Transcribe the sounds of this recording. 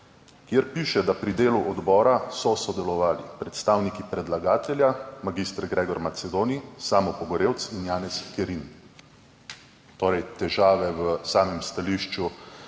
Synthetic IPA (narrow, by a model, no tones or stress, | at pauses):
kjeɾpiːʃɛd̪apɾid̪eːluʔɔd̪bɔːɾasɔsɔd̪ɛlɔʋaːlipɾɛt̪st̪aːwnikipɾɛd̪laɡaːt̪ɛljamaɡist̪ɾɡɾɛːɡɔɾmat̪sɛd̪oːnisaːmɔpɔɡɔɾeːwt̪sinjaːnɛskɛɾin | t̪oːɾɛjt̪ɛʒaːʋɛwəsaːmɛmst̪aliːʃt͡ʃu